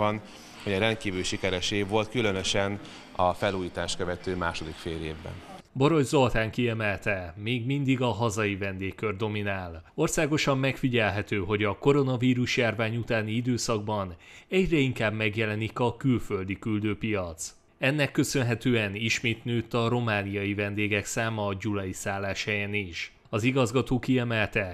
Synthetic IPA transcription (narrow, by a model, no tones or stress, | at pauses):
ɒn | hoɟɒɾɛnt̪̚kiːvylʃikɛɾɛʃeːɡvo̞lt̪kylønøʃɛn | ɒfɛluːjiːt̪aːʃt̪køvɛt̪øːmaːʃo̞d̪ikfeːljeːvbɛ̰n | bo̞ɾo̞ʒzo̞lt̪aːŋkiɛmɛlt̪ɛmeːɡmind̪iɡɒɦɒzɒjivɛnd̪eːkːørd̪o̞minaːlo̞rsaːɡo̞ʃɒmːɛkfiɟɛlɦɛt̪øːɦo̞ɟɒko̞ɾo̞nɒviːɾuʃjaːrvaːɲut̪aːniid̪øːsɒɡ̚bɒn | ɛɟrɛiŋkaːbmɛɡjɛlɛnikɒkylfø̞ld̪ikyld̪øːpijɒt̪s | ɛnːɛkːø̞sø̞nɦɛt̪øːɛniʃmeːt̪nøːt̪ːɒɾo̞maːnijɒjivɛnd̪eːɡɛksaːmɒːd͡ʒulɒjisaːlːaːʃhɛjeniʃ | ɒziɡɒzɡɒt̪oːkiɛmɛlt̪ɛ